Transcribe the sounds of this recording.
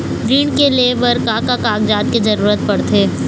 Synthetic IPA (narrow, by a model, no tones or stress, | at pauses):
ɾiːɳkeleːbəɾkaːkakaːkd͡ʒaːt̪̚kizɐɾuːɾət̪̚pɐɽt̪ʰeː